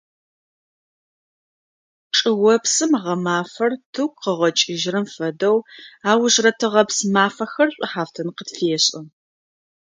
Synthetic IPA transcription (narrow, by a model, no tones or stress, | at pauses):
ʈ͡ʂʼɨwɔpsɨmʁɐmaːfɐrtʰɨkʷqəʁɐt͡ʃʼɪʒɪɾɨmfɐdɐwaːwʒrɐtʰɨʁɐpsmaːfɐxɐrɕʷʼʊħaːftʰɐnqətfeːɕʼɪ